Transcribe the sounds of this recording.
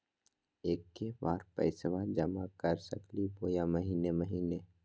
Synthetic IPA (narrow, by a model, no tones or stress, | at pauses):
eːkːebaːɾpɛ̰ɪsʋad͡ʒəmakəɾsɐkliboːjaməɦiːneməɦiːne